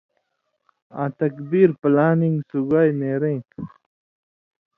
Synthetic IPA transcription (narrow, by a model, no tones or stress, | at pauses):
ã̰t̪ɐkbiɾplaːniŋɡsuɡajneɾẽ